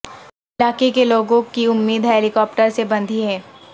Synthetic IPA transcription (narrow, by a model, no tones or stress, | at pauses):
ɪlaːkekeloːɡõkiʊmːiːd̪ɦɛːlɪkɔːpʈəɾsebɐ̃nd̪ʱiɦɛː